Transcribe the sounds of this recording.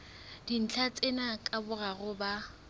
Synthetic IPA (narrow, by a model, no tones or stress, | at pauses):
d̥in̩t͡ɬʰat͡sʼenakʼabʊɣaɣʊba